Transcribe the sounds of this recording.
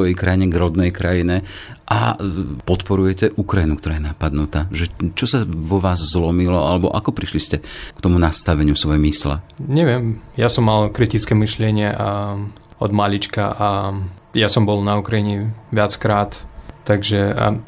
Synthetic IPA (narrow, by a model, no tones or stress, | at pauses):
ɔjɛjkɾajiɲɛɡɾɔd̪nɛjkɾajinɛ | ʔa̰pɔt̪pɔɾujɛcɛʔukɾajinukt̪ɔɾaːjɛnapad̪nut̪aːʒɛt͡ʃɔsaʋɔʋaːzzlɔmilɔa̰lɛbɔ̰ʔa̰kɔpɾiʃliscɛkt̪ɔmunast̪aʋɛɲɪusʋɔjɛmisla̰ɲɛʋɪɛmjasɔmːalkɾit̪it͡skɛmiʃlɪɛɲɪɛʔa | ɔ̰d̪maʎit͡ʃka̰ʔa | jasɔmbɔlnaukɾajiɲɛʋɪat͡skɾaːt̪ːaɡʒɛ̰